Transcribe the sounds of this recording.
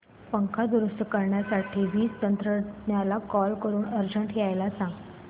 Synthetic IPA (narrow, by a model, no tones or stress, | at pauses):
pəŋkʰad̪uɾust̪əkəɾɳjasaʈʰiːʋiːt͡st̪ənt̪ɾənjalakɔlkəɾuːnəɾd͡ʑəɳʈɦjajlasãŋɡ